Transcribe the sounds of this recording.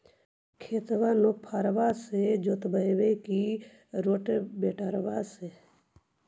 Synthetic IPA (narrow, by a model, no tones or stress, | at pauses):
kʰeːt̪ʋaːnok̚pʰaːɾʋaːsed͡ʒoːt̪bəjʋeki | ɾoːʈbeːʈaɾʋaːse